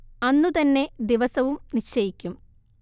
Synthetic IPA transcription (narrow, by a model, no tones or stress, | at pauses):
ɐnːut̪ɐnːe̞d̪iʋɐsɐʋumnit͡ɕːɐjikʲːum